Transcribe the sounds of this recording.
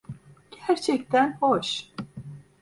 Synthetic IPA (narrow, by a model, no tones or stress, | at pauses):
ɡ̥æɾt͡ʃʰɛcʲt̪ʰænhoʃ